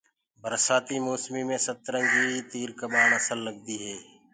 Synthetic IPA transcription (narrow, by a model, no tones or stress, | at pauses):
bʱəɾsaːt̪iːmoːsmiːmẽːsət̪ɾə̃nd͡ʒiːt̪iːɾkəɓaːɳəsəlːəɡ̚d̪iːɦeː